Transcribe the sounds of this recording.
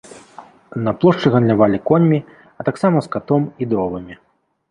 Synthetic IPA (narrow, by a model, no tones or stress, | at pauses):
nɐplˠɔʂt͡ʂɨɣɐnlʲavalʲikɔnʲmʲi | ɐt̪aksamɐskat̪ɔmid̪ɾɔvɨmʲi